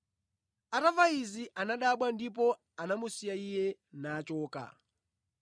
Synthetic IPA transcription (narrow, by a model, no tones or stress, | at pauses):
aɾavaiziʔanaɗaɓwandip̬ɔ | anamusijaijɛnaːt͡ʃɔːka̰